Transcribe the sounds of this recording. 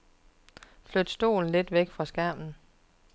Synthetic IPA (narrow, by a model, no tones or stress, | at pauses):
flød̥sd̥o̝̰ːln̩le̝d̥ʋeɡ̥fʁɑ̈sɡ̥æɐ̰m̥n̩